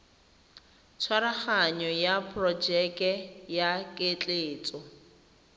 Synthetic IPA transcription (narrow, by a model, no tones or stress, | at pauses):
t͡sʰwaɾaχaɲɔjapʰʼrɔd͡ʒɛkʼɛjakʼet͡ɬʼeːt͡sʼɔ